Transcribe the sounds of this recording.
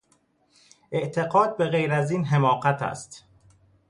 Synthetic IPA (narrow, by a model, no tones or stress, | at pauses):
ʔe̞ʔt̪ʰe̞ɣɒːd̪̚be̞ɣejɾæziːnɦe̞mɒːɢæt̪ʰæ̰st̪